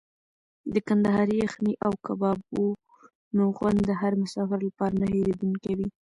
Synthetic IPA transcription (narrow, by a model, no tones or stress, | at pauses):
d̪əkand̪ahɑɾijaxniʔawkabɑbo | noɣwand̪ːəɦaɾmʊsɑfɪɾlapɑɾanaheɾed̪uŋkawi